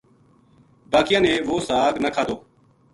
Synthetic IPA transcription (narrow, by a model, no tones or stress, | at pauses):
baːkɪjãːneːʋoːsaːɡnəkʰaːd̪oː